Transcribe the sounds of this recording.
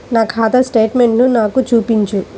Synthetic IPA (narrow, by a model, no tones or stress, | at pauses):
naːkʰaːd̪ɐsʈeːʈme̞ɳʈnunaːkut͡ʃuːpiɲt͡ʃu